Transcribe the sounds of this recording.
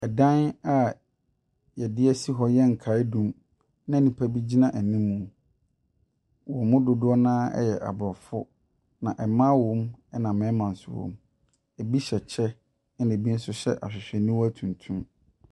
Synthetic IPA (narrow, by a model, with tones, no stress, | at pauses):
ɛ˨dã˦na˨ | jɛ˨dɪ˦ɛ˦si˦ɦɔ˦jɛ˦ŋ̩˨kʰa˨˦ɪ˦dũ˨m | nã˦˨nĩ˨pʰæ˦bi˦d͡ʑi˦nã˨ʔæ˨nĩ˦mũ˨ | wɔ˨mʊ̃˦dʊ˨dʊ˦ɔ˦nãː˦ɛ̰˦jɛ˨ʔa̰˨bʊ˨ɔ˨fʊ̰˦ | nã˨ʔɛ˨mã˦wɔ̃˦mɛ˦nã˨mɛ̃˨˦mã˨n̩˨sʊ̰˦wɔ̰̃˨m | ɛ˨bi˦ɕɛ˨t͡ɕʰɛ˦ | ɛ˦nẽ˨bi˦n̩˦sʊ˦ɕɛ̰˦ʔa̰˨ɕᶣɪ˨ɕᶣɛ˨nĩ˦wɔ˦æ˦tʰũ˨ntʰũ˦m